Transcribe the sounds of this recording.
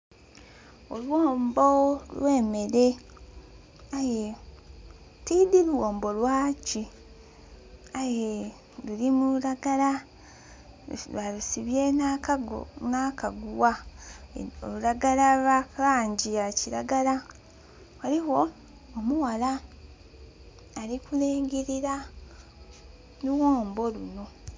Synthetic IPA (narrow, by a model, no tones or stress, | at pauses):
olwoːmbolwʔe̞ːme̞ɾe̞ | aje | tidiluwoːmbo̞lwaːci | aje | lulimuɾaɡala | βalusiβjena | nakaɡuwa | o̰luɾaɡalawaklaːɲɟijaciɾa̰ɡala | waliwo̞ː | muwala | likuleːŋɡiɾiɾa | nuwoːmbo̞luno̞